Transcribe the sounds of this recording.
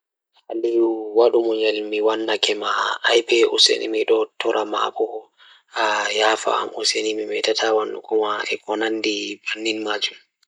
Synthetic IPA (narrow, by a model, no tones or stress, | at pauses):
haliwaɗumɔɲɛlmiwanːakʰɛmaːjpɛɔsḛnʔḭmiɗɔtʰɔɾʔama̰bɔ | ajafa̰ːmʔɔsenimimɛtatʰawanːṵkɔmaɛkɔnanːdibanːinmad͡ʒum